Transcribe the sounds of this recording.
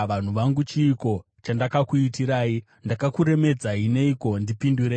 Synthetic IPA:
ʋan̤uʋaŋɡut͡ʃiːko̞ | t͡ʃandakakuitiɾaːi | ndakakuɾe̞me̞d͡zaine̞iko̞ndipinduɾe

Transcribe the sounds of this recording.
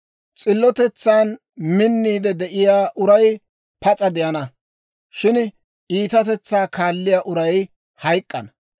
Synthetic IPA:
t͡sʼɪlːɔt̪ɛt͡sːaːn | mɪnːiːd̪ɛd̪ɛʔɪjaːʔʊɾɐj | pɐt͡sʼɐd̪ɪjɐnɐ | ʃɪn | iːt̪ɐt̪ɛt͡sːaːkaːlːɪjaːʔʊɾɐj | hɐjkʼːɐn

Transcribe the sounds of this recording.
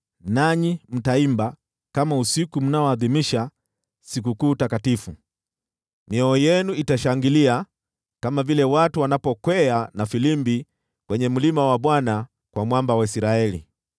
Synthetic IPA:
naɲim̩taimba | kamausikum̩naɔaðimiʃa | sik̬ukuːtakatifu | miɔɔjɛnuitaʃaŋɡilia | kamavilɛwatuwanapɔkwɛanafilimbi | kwɛɲɛm̩limawaɓwana | kwamwambawaisiɾaɛlḭ

